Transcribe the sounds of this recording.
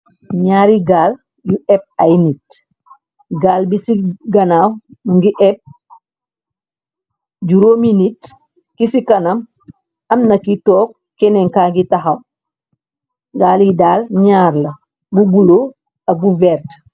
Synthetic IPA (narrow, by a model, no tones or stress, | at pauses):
ɲaːɾiɡaːl | juɛp̚ajnit | ɡaːlbisiɡɐnaːwnuŋɡiʔɛp̚ | ɟuɾoːminit | kisikɐnɐm | ɐmnɐkitɔːk̚ | kːɛnɛŋkaːŋɡitaɦɐw | ɡaːlidaːlɲaːɾlɐ | bubulo | ɐɡuvɛːɾt